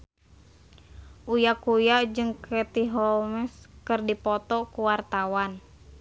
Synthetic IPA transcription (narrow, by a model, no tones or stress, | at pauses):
ʔujakujad͡ʒɨŋkɛt̪iɦɔmɛskɨrdipɔt̪ɔkuwart̪awan